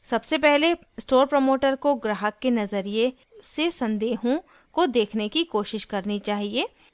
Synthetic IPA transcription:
sɐbsepɛɦle | sʈoːɾpɾəmoːʈəɾkoɡɾaːɦəkːenɐzəɾije | sesɐ̃nd̪eːɦõ | kod̪eːkʰnekikoːʃɪʃkɐɾnit͡ʃaːɦieː

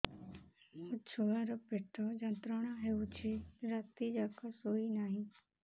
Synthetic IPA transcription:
ʊt͡ʃʰoːaɾopeʈʰːoːd͡ʒə̃nt̪ɾəɽ̃ãɦeut͡ʃʰiɾaːt̪id͡ʒaːkasoːinaːɦĩː

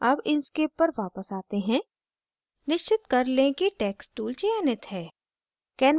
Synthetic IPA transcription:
ɐbɪnskeːpːɐɾʋaːpəsaːt̪eɦɛ̃ː | nɪʃt͡ʃɪt̪kɐɾlẽkiʈɛːksʈuːlt͡ʃiɛːnɪt̪ɦɛː | kɛːn

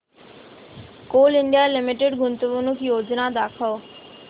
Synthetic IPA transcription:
koːlɪ̃nɖ̪ijalɪmɪʈeɖɡʊnt̪əʋunukʰjoːd͡ʒnad̪aːkʰəl

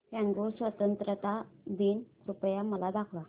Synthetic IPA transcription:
ɦãŋɡosʋət̪ənt̪ɾət̪ad̪iːnkɾupjaməlad̪akʰʋa

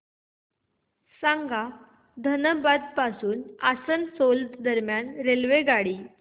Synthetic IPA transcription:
sãŋɡa | d̪ʱənəbad̪̚pasuːnasənsolt̪d̪əɾmjanɾelʋeɡaɽiː

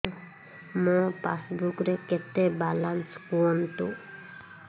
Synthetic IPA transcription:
mɔ̃pasbukɾeket̪ebalanskuɔnt̪u

